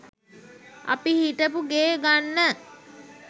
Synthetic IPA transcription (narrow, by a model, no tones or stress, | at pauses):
a̰pihiʈəpuɡeːɡanːə